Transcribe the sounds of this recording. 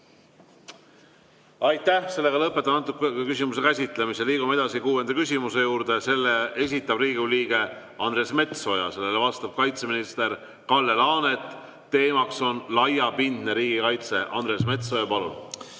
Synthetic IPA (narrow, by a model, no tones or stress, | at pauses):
ɑjt̪ːæhse̞lːe̞ɡɑlɤpːˑe̞t̪ːˑɑnɑt̪ːˑukeekysimuse̞kæsʲit̪ˑle̞miseliːɡ̥umɑe̞d̪ɑsikuːe̞nd̪̥ɑkysʲimuse̞juːɾd̪̥e̞se̞lːee̞s̬ʲit̪ːˑɑb̥riːɡuliːɡ̥e̞ | ɑnre̞ːsme̞t̪so̞jɑ̰se̞lːelevɑst̪ɑb̥̚kɑjt̪se̞minist̪e̞ɾ | kɑlːe̞lɑːne̞t̪ː | e̞ːmɑkso̞nlɑjɑpind̪̥neɾiːɡikɑjt̪se̞̰ʔɑ̰nd̪ɾe̞ːsme̞t̪so̞jɑpɑlṵn